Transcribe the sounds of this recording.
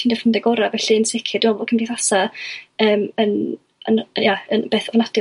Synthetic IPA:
tʰiːndəfəndɛɡɔɾavɛɬiənsɪkʰɪdɪmaboːd̚kʰəmbiθasaəːmən | ənəjaənb̥eːθɔvnad̥ɪ

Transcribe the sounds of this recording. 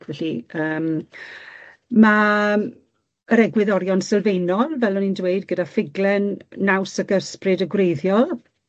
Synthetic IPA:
kʰvɛɬiəːm | ma | əɾɛɡwɪðɔɾjɔnsɛlˠvejnɔlˠvɛlˠmənindweɨdɡədafɪɡlɛnːawsəɡəsprɨdəɡwejðjɔlˠ

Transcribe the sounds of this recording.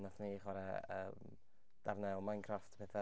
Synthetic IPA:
naθniχwaɾɛə̰ːm | d̥arnɛlˠmajnkʰraftʰpʰɛθa

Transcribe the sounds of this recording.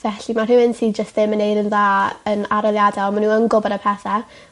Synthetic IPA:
vɛɬimarɪwɪntʰid͡ʒəstðɪmənejdənðaːənaɾɔlˠjadalˠmanuːənɡʊbɔɾəpʰɛθɛ

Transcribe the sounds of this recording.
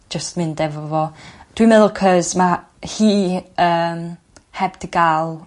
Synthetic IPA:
d͡ʒ̥əstmɪndɛvɔvɔd̥wimɛðʊkʰəzma | hiːəːm | hɛbd̥əɡalˠ

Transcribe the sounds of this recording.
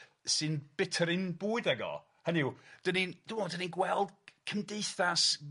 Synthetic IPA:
sɨnb̥ɪtʰəɾɪnbuːɨðɛɡɔ̰ | hənɪwd̥ənind̥ɪmɔdəninɡwɛlˠd̥̚kʰəmdeɨθas

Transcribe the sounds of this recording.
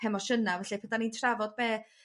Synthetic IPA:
ɛmɔʃənavɛɬɛpʰɛdanintʰravɔd̚beː

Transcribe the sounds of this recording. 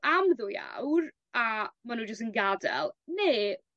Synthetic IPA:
amðuːja̰wr | amanuːd͡ʒəstənɡadɛ̰lˠneː

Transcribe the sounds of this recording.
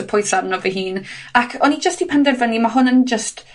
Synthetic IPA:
əpʰʊjnθsabnɔvəɦiːnakʰɔnid͡ʒəstipʰɛndɛvənimaɦʊnənd͡ʒəst

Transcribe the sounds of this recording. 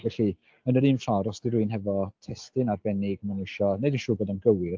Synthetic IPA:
vɛɬi | ənəɾiːnfaɾɔsd̥iɾuɨnɦɛvɔtʰɛstɨnarbɛnɪɡmanɪʃɔnedinʃuːbɡoːdanɡəwɪr

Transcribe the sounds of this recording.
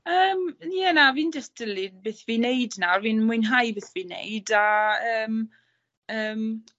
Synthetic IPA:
əːmnianaviːnd͡ʒəsd̥əlˠibɨθviːnejdnarviːnmʊɨnɦajbeθviːnḛjdaəːm | əːm

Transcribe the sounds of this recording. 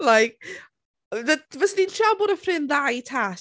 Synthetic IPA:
lajk̚ | ðəvɛsniːntʰaboːɾəfrɪnðajitʰaː

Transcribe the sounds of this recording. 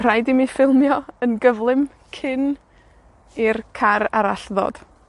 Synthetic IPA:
r̥ajdɪmifɪlˠmjɔənɡəvlˠɪm | kʰɪn | irkʰaɾa̰ɾaɬðɔ̰ːd̥

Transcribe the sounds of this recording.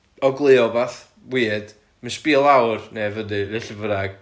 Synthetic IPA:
ɔɡlˠɨɔbaθ | wiːd̥ | məspiːlˠawrnevədiɾɛɬəvəɾaɡ̥

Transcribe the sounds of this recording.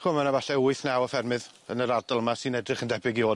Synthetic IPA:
χʊmanavaɬɛʊɨθnawɔfɛrmɨð | ənəɾadalˠmasɨnɛdrɨχəndɛbɪɡioː

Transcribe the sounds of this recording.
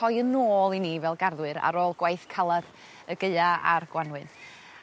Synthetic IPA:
ɔjənoːlˠiniːvɛlˠɡarðwɨɾa̰ɾoːlˠɡwajθkʰalˠaɾ | əɡəɨaa̰rɡ̥wanwɨn

